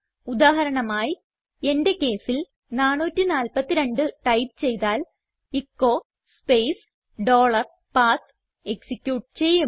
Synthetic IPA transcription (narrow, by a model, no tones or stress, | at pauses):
ud̪aːɦɐɾɐɳɐmaːji | e̞nde̞ke̞ːsil | naːɳːuːtːinaːlpɐt̪ːiɾe̞ɳɖɨʈɐjpt͡ɕe̞jt̪aːl | ikːoː | spejs | ɖo̞ːɭɐr | paːt̪ | eksikʲːjuːʈt͡ɕe̞jːu